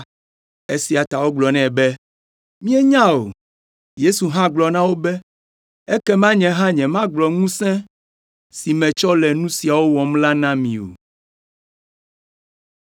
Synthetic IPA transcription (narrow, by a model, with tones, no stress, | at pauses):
e˦si˦a˨t̪a˨wo˦ɡ͡blɔ˨nɛ̃˦˨bɛ˦ | mĩ˦ɛ˦ɲã˦o̰˨ | je˦su˨ɦã˦ɡ͡blɔ˨nã˦wo˦bɛ˦ | e˦kɛ˦mã˦ɲɛ̃˨ɦã˦ɲɛ̃˨mã˦ɡ͡blɔ˨ŋũ˦sɛ̃˦ | si˨mɛ̃˨t͡ʃɔ˦lɛ˨nũ˦si˨a˨wo˦wɔ˨mla˦nã˦mĩ˨o̰˨